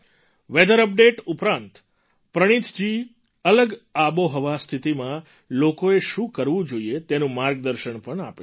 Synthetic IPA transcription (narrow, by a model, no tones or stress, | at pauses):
ʋed̪əɾəp̚ɖeʈupɾãnt̪ | pɾəɽ̃it̪ʰd͡ʒi | ələɡaboɦəʋast̪ʰit̪imã | lokoeʃũkəɾʋũd͡ʒoiet̪enũmaɾɡ̚d̪əɾʃəɳpəɳa̰pe